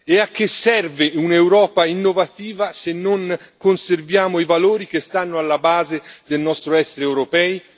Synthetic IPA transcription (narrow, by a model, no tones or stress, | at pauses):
eak̟ːesːɛrvɪunewɾɔːpainːovat̪iːvasenːoŋ | konservjaːmoivaloːɾik̟est̪anːʊalːabaːzɪd̪elnɔst̪ɾoɛsːeɾeɛwɾopɛːj